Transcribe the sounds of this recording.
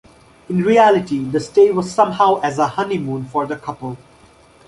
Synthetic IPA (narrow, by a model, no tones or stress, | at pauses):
ɪ̃nɾiælɪʈid̪əsʈeːʋɔz̥sʌ̃mhaʊʔæzəhʌnimũːnfɔɾd̪əkʰʌpəlˠ